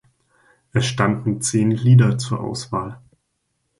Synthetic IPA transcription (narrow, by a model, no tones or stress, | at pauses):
ʔɛsʃtandn̩t͡seːnliːdɐt͡suːɐʔa̰ʊsv̥aːl